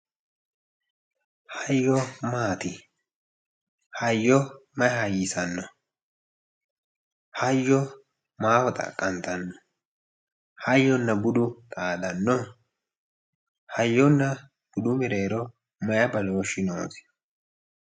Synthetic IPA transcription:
hɐjːɔmaːt̪ɪ | hɐjːɔmɐjhɐjɪsɐnːɔ | hɐjːɔ | maːfɔt̪ʼɐ̰kʼːɐnt̪ɐnːɔ̥ | hɐjːɔnːɐbʊd̪ʊtkʼaːd̪ɐnːɔ | hɐjːɔnːɐ | b̥ʊd̪ʊmɪɾe̞ːɾɔ | mɐjɐbɐloːʃɪno̰ːsɪ̥

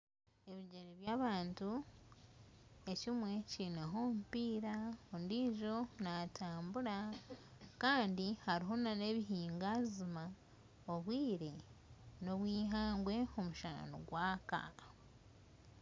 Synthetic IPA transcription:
e̞βiɟeɾeβjaːβaːntu | ecimwe̞ciineɦo̞mpiːɾaondiːʒo̞natʰaːmbuɾa | kaːndihaɾiɦo̞nane̞βiɦiːŋɡazima | oβwiːɾe̞no̞βwiːɦaːŋɡwe̞o̞muʃaɾa̰no̰ɡwaːka̰

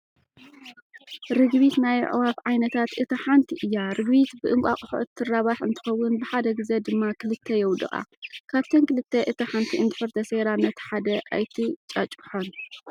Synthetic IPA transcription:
ɾɨɡβit̪naj̰ʕ̰wafʕajnɐt̪ʰat̪ʔɨt̪ʰɐħant̪ʰiʔɨjːaɾɨɡβit̪bɨʔɨŋkʷʼakʼʊħuʔɨt̪ʰːɨrːaβaħɨnt̪ʰɨ̥xɐwːʊnbɨħad̪ɐɡɨzed̪ɨmːakʰɨlɨt̪ʰːɐjɛwd̪ɨ̰ʔʼa̰kʰaβt̪ʰɐnkɨlɨt̪ʰːeʔɨt̪ʰɐħant̪ʰiɨnd̪ɨħɨɾt̪ʰɐseɾanːɐt̪ħad̪ɐʔa̰jt̪ʰit͡ʃʼɐt͡ʃʼħon

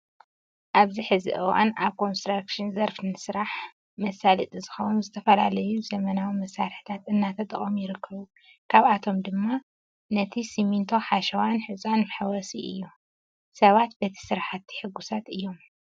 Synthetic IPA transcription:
ʔaβziħɨzɨ̰ʔɐwa̰naβkʰo̞nst̪ɾakʃɨnzɐɾfɨnɨsɨɾaħ | mɐsalɨt̪ʼɨzɨxɐwnuzɨt̪ʰɐfɐlalɐjuzɐmɐnawimɐsːaɾħɨ̥t̪ʰat̪ɨnːat̪ʰɐt̪ʼɨχʼomjɪɾɨkʰːɐβu | kʰaβat̪ʰo̞md̪ɨmːa | nɐt̪ʰisimint̪ʰo̞ħaʃɐwanħɨzʼanħawɐsiʔɨjːu | sɐβat̪̚bɐt̪ʰi̥sɨɾaħat̪ʰːi̥ħɨɡusat̪ɨjːo̞m

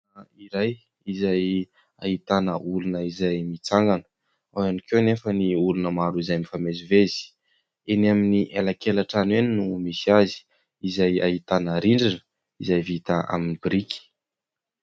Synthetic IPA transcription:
aiɾaj | izaj | a̰ɦit̪anəulunəizajmit͡saŋɡanə̥ | awanikewnefəniulunəmaɾuizajmifamezivez̥i̥ | enaminiʔelakelaʈ͡ʂaneninumisiazi̥ | izaja̰ɦit̪anəɾiɳɖ͡ʐinə | izajvit̪aa̰minibɾiki̥

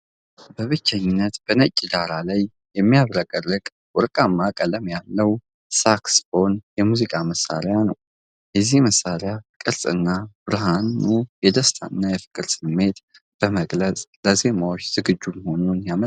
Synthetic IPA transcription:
bəβɨt͡ʃːɛɲːɪnːət̪b̥ənət͡ʃʼːid̪aɾalaj | jɛmːijaβɾəkʼərːɨkʼ | wɔɾkʼamːakʼələmjalːəw | saksfo̞njɛmuzikʼaməsːa̰ɾɪjanəw | jɛzihməsːaɾɪjakʼɨɾsʼɨ̰nːab̥ɾɨɦanːujɛd̪əst̪ʰa̰ɨnːajɛfɨ̥kʼɨɾsɨmːe̞t̪ | b̥əməɡlət͡sʼləze̞mawo̞t͡ʃːz̥ɨɡɨd͡ʒːumho̞nunjamə

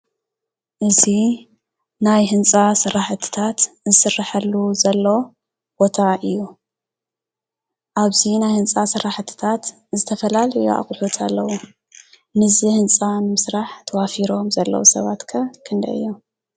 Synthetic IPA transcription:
ʔɨzi | najɦɨnt͡sʼasɨrːaħt̪ʰːɨ̥t̪ʰat̪ | zɨsɨrːaħɐlːuzɐlːo̞ | b̥ot̪ʰaʔɨjːu | ʔaβzinajhɨnt͡sʼasɨraħt̪ʰɨ̥t̪ʰat̪ | zɨt̪ʰɐfɐlalɐjṵa̰χʼħut̪ʰalːɐwu | nɨzihɨnt͡sʼanɨmɨsɾaħt̪ʰɐwafiɾo̞mzɐlːɐ̰wusɐβat̪kʰɐkʰɨnd̪ɐ̰ɨ̰jːo

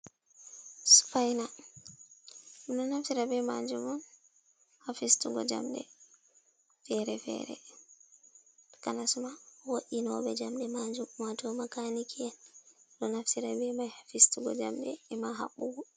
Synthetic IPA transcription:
su̥fajna | ɗɔnaftiɾabɛmad͡ʒumɔn | hafistuɡɔd͡ʒa̰mɗɛ̰ | fɛɾɛfɛ̰ɾɛ̰ | kanasumawoɗinɔbɛd͡ʒamɗɛmad͡ʒumwatɔmakanikʰiɛnɗɔnaftiɾabɛmajhafistuɡɔ̰d͡ʒamɗɛɛmaɦa̰ɓːuɡɔ

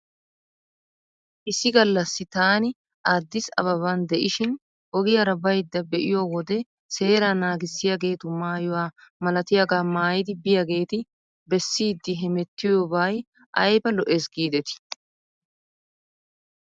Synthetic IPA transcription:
ʔɪsːɪɡɐlːɐsːɪt̪aːnɪ | ʔaːd̪ːɪsɐ̰βɐβɐnd̪ɛʔɪʃɪn | ɔɡɪjɐɾɐbɐjd̪ːɐbɛʔɪ̰joːwɔd̪ɛ | se̞ːɾanaːɡɪsːɪjɐɡe̞ːt̪ʊmaːjʊwaːmɐlɐt̪ɪjaɡaːmaːjɪd̪ɪbɪjɐɡe̞ːt̪ɪ | bɛsːiːd̪ːɪɦɛmɛt̪ːɪjobaːj | ʔɐjbɐlɔʔeːsɡiːd̪ɛt̪ɪ̥

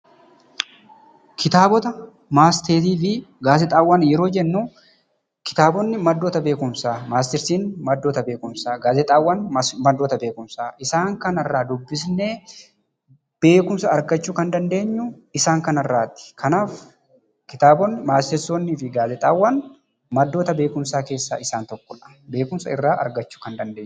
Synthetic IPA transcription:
kʰɪt̪aːbɔt̪ɐ | maːst̪eːt̪iːfɪɡaːzɛt̪ʼaːwːaːnjɛɾo̞ːd͡ʒɛnːu | kɪ̥t̪aːbɔnːɪmɐd̪ːoːt̪ɐbe̞ːkʊmsaːmaːs̬t̪ɪɾsiːnmɐd̪ːoːt̪ɐbe̞ːkʊmsaːɡaːzɛt̪ʼaːwːanmɐd̪ːoːt̪ɐbe̞ːkʊmsaːʔɪsaːŋkɐnɐrːaːd̪ʊbːɪsne̞ː | b̥e̞ːkʊmsɐɐɾɡɐt͡ʃːuːkɐnd̪ɐnd̪e̞ːɲːʊ | ɪsaːŋkɐnɐrːaːt̪ːɪ̥kʰɐnaːf | kɪt̪aːbɔnːɪmaːst̪ɪɾsoːnːiːfɪɡaːzɛt̪ʼaːwːɐn | mɐd̪ːo̞ːt̪ɐbe̞ːkʊmsaːkeːsːa̰ːʔɪsaːnt̪ɔkːɔᶑɐ̥ | be̞ːkʊmsɐ̰ɪrːaːʔɐ̰ɾɡɐt͡ʃːu̥kɐnd̪ɐnd̪eːɲːʊ̥

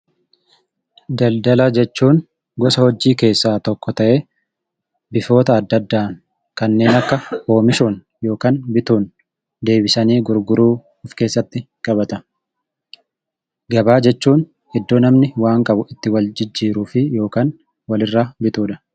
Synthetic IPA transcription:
d̪ɐld̪ɐlɐd͡ʒɛt͡ʃːuːn | ɡɔsɐhɔd͡ʒːiːke̞ːsːaːt̪ɔkːɔt̪ɐʔeː | bɪfo̞ːt̪ɐːd̪ːɐd̪ːaːŋ | kɐnːe̞ːnɐkːɐho̞ːmɪʃoːn | jo̞ːkaːnbɪt̪uːn | d̪e̞ːbɪsɐniːɡʊɾɡʊɾuː | ʊfke̞ːsːɐt̪ːɪ | kʼɐbɐt̪ɐ | ɡɐbaːd͡ʒɛt͡ʃːuːn | ɛd̪ːoːnɐmnɪwaːŋkʼɐbʊɪt̪ːɪwɐld͡ʒɪd͡ʒːiːɾuːfɪjo̞ːkaːn | wɐlɪrːaːbɪt̪uːᶑɐ̥

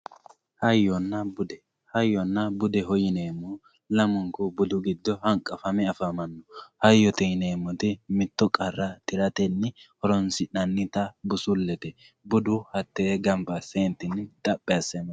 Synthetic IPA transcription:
hɐjːɔnːɐbʊd̪ɛ | hɐjːɔnːɐbʊd̪ɛɦɔjɪneːmːu | lɐmʊŋkɔbʊd̪ʊɡɪd̪ːɔhɐŋkʼːɐfɐmɛɐfɐmɐnːɔhɐjːɔt̪ɛjneːmːɔt̪ɪmɪt̪ːɔkʼɐrːɐt̪ʼɪɾɐt̪ɛnːɪhɔɾɔnsɪᶑɐnːɪt̪ɐbʊsʊlːɛt̪ɛ | bʊd̪ʊhɐt̪ːeːɡɐmbɐseːnt̪ːɪnːɪt̪ʼɐpʼːɛɐsɛn

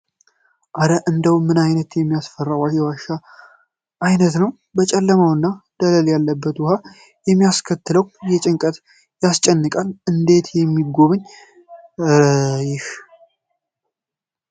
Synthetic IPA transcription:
ʔaɾəʔɨnd̪əwmːɨnajnət̪jɛmːijasfərːawajɛwaʃa | ʔːjnət̪nəw | bət͡ʃʼɛlːəmawɨnːad̪̥ələljalːəbːət̪wʊha | jɛmːijaskʰət̪ːɨləwjɛt͡ʃʼɪŋkʼət̪ | jast͡ʃʼɛnːɨkʼanɨnd̪e̞t̪jɛmːiɡo̞βɨɲː | jɪh

